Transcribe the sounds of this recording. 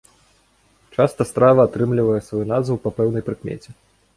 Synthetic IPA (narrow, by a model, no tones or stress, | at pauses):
t͡ʂast̪ɐst̪ɾavɐːt̪ɾɨmlʲivɐjɛsvɔjunazvɐwpɐpɛwnɐjpɾɨkmʲɛ̰t͡sʲɛ